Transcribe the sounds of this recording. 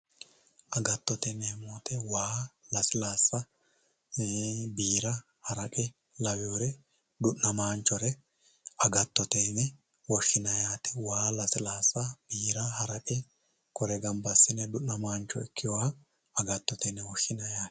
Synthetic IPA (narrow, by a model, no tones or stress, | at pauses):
ʔɐɡɐt̪ːɔt̪ɛnɛmoːt̪ɛwaːlɐsɪlaːsːɐ | biːɾɐ | hɐɾɐkʼɪ | lɐwɪjoɾɛ | d̪ʊʔːɐmaːnt͡ʃːɔɾɛ | ɐɡɐt̪ːɔt̪enɛ | wɔʃːɪnɐjaːt̪ɛ̥waːlɐsɪlaːsːɐb̥iːɾɐɦɐɾɐkʼɪ | kɔɾɛɡɐmbɐsːɪnɛd̪ʊʔːɐmaːnt͡ʃːɔ̰ɛkʰːɪjɔwɐ | ɐɡɐt̪ːɔt̪ɛnɛwɔʃːɪnɐjaːt̪